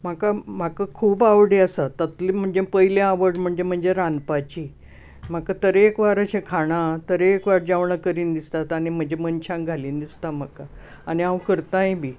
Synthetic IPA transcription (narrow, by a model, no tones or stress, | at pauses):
m̤akam̤akakʰuːbaʋɽiasat̪ːət̪lim̤əɳd͡zepəjljãaʋəɽm̤əɳd͡ʑem̤əɳd͡ʑeɾãnd̪pat͡ɕi | m̤akat̪əɾeːkʋaɾəɕẽkʰaɽ̃at̪əɾeːkʋaɾd͡ʑaʋɳakəɾiːnd̪ist̪at̪aɽ̃im̤əɳd͡ʑemənt͡ɕʰãŋɡʱaliːnd̪ist̪am̤aka | aniãwkəɾt̪ãjĩbʱiː